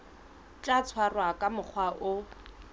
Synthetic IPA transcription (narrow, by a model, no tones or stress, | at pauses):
t͡ʃʼat͡sʰwarwakʼamʊk͡xʰwaʔʊ